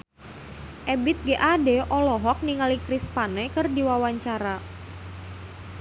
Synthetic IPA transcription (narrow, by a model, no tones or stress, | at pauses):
ʔɛbit̪̚ɡeʔadeʔɔlɔɦɔk̚niŋalikɾispanɛkərdiwawaɲt͡ʃaɾa